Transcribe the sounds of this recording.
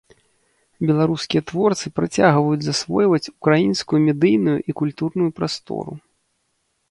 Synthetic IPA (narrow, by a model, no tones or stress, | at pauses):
bʲɛlˠaɾuskʲijɐt̪vɔrt̪sɨpɾat͡sʲaɣvɐjud͡zʲzasvɔjvɐt͡sʲukɾajinskujumʲɛd̪ɨjnujṵʔikulʲt̪urnujupɾast̪ɔ̰ɾṵ